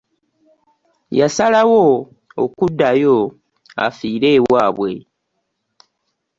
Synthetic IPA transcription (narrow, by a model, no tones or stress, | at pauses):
jasalawo | okudːajo | a̰fiːɾe̞ːwaːβwe̞̰